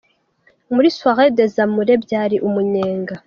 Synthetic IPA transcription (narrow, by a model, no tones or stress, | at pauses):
muɾiswaɣed̪ezamuɾe̞bjaːɾiʔumuɲeːŋɡa